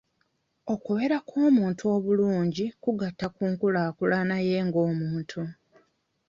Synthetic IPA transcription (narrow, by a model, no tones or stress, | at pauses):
o̞kuβe̞ɾakʰo̞ːmuːntʰuo̞βuluːɲɟikuɡatːakuːŋkulaːkulanaje̞ːŋɡo̞ːmuːntʰu